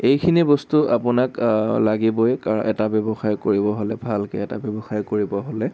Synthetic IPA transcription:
ejkʰinibostuʔapʊnaklaɡibɔjkaɹɔnʔɛtabebɔxajkoɹibɔɦolɛbʱalkḛɛta̰bebɔxajkoɹibɔɦolɛ

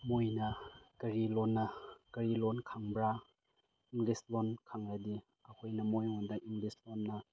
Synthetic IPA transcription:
mojnɐkɐɾilɔnːɐkɐɾilɔnkʰaŋbɾa | iŋɡlislɔnkʰaŋɾadi | ɐkʰojnɐmojŋɔndaiŋɡlislɔnːɐ

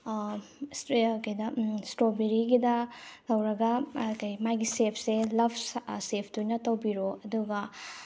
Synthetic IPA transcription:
skɐjdɐstɾobeɾiɡidɐlɐwɾɐɡɐkɐjmajɡisepʰselɐbssepʰtujnɐtɐwbiɾoɐduɡɐ

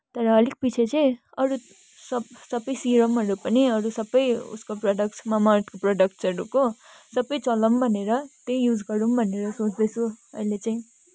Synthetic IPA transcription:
t̪ʌɾʌːlik̚pit͡sʰet͡sʌj̃ | ʌɾu | sʌbsʌbʌjsiɾʌmʌɾupʌniʌɾusʌbʌjṵskoproɖʌkʈsmamaʈkoproɖʌk̚ʈsʌɾukosʌbʌjt͡sʌlʌmbʱʌneɾʌt̪ejud͡zɡʌɾumbʱʌneɾʌsot͡sd̪ʌt͡sʰuʌ̰jlet͡saĩ

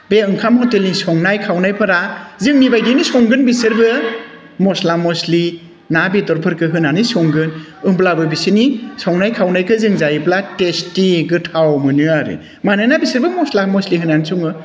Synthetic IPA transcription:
beɯŋkʰamhɔtelisɔŋnajkʰawnajpʰɯɾazɯŋnibajdinisɔŋɡɯnbisɯɾbɯ | mɔslamɔsli | nabetɔɾpʰɯɾkɯɦɯnanisɔŋɡɯn | ɯmblabɯbisinisɔŋnajkʰawnajkʰɯzɯŋzajiplatestiɡɯtʰawmɯnɯaɾḭ | manɯnabisɯɾbɯmɔslamɔsliɦɯnansuŋɯ

